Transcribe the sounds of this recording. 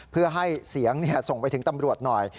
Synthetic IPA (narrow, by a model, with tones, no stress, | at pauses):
pʰɯ˥˩ɐɦa˥˩jsi˨˩˦əŋni˥˩ɐso˨˩ŋpa˧jt̪ʰɯ˩˦ŋt̪a˧mɾu˨˩ət̪̚nɔ˨˩j